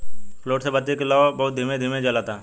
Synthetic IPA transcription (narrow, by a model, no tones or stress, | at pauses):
floːʈsebət̪iklɔːbɐɦʊt̪̚d̪ʱimẽd̪ʱimẽd͡ʒəlat̪a